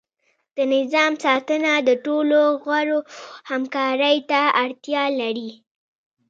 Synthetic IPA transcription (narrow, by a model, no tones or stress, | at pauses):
d̪̥ənɪzɑmsɑt̪ənad̪əʈoloɣwaɽohamkɑɾəjt̪aaɽt̪jɑlaɽi